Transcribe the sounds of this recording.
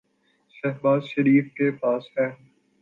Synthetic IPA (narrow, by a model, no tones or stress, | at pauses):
ʃɛɦbaːzʃɐɾiːfkepaːsɦɛː